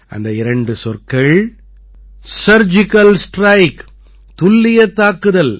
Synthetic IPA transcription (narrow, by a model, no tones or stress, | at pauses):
ʔɐ̰nd̪ɐɪɾɐɳɖɯsɔrkɐɭ | sɐɾd͡ʒɪkɐlsʈɾɐɪk | t̪ʊlːɪjɐt̪ːaːkɯðɐl